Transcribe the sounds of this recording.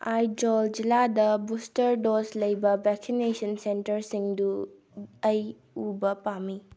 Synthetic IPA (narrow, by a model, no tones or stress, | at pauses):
ajd͡ʒold͡ʒiladɐbustɐɾdoslɐjbɐbɛksinesɐnsentɐɾsiŋdu | ɐj | ubɐpami